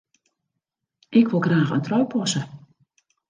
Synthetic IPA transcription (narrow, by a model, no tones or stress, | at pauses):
ʔɪkʋɪlˠɡraːxə̰ntrœɥpʰɔsə